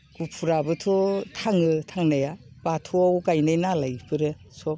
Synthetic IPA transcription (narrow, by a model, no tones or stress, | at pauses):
ɡ̥upʰuɾabɯtʰɔtʰaŋɯtʰaŋnaja | b̥atʰuawɡajnajnalajpʰɯɾɯ | sɔ